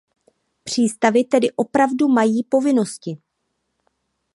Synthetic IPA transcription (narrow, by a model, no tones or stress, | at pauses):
pr̝̥iːst̪avɪt̪ɛdɪʔo̞pɾavdumajiːpo̞vɪno̞scɪ